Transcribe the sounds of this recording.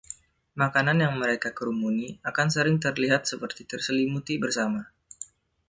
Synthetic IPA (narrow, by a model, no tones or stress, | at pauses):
makananjaŋməɾekakəɾumuniakansəɾɪŋt̪ərliɦat̪̚səpərt̪it̪ərsəlimut̪ibərsama